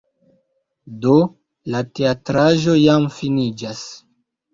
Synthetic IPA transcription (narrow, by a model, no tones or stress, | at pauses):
do | late̞atɾaʒo̞jamfinid͡ʒas